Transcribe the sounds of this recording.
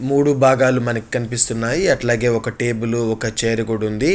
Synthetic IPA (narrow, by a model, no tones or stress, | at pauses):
muːɽubʱaːɡaːlumɐnɐki̥kɐnipist̪unːaːjiɐʈlaːɡe̞ːɔkɐʈe̞ːbuluɔkɐt͡ʃeːɾiɡuɽund̪i